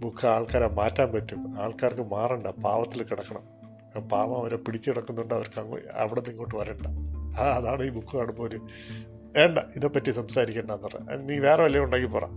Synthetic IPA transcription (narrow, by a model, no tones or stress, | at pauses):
bukʰːɐaːɭkaːɾemaːtːaːmpɐtːumaːɭkaːrkɨmaːreɳɖɐpaːʋɐt̪ːilkiɽɐkːɐɳɐm | paːʋɐmɐʋɐɾepiɽit͡ɕːɨiɽɐkːunːuɳɖɨɐʋɐɾkɐŋːṵɐ̰ʋiɽeniŋːoːʈːɨʋɐreːɳɖɐaɐðaːɳɨiːbukʰːɐkɐːɽumːoːɾɨ | eːɳɖɐiðepːɐtːisɐmsaːɾikʲːeːɳɖɐenːɐrḛniːʋe̞ːreʋɐlijɐuɳɖaːŋɡipoːra̰ːm